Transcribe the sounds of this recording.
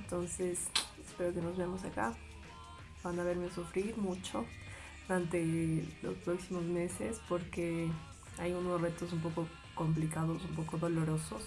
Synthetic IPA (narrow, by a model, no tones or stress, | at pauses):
ent̪o̞nse̞sespe̞ɾo̞ke̞no̞zβeamo̞s̬aka̰ | b̥anaβe̞ɾme̞sufɾiɾmut͡ʃo̞ | ðuɾant̪e̞lo̞̰spɾo̞ksimo̞zme̞se̞spo̞ɾke̞ | ajuno̞sre̞t̪o̞s̬ump̬o̞ko̞ | ko̞mp̬likaðo̞s̬umpo̞ko̞ðo̞lo̞ɾo̞so̞s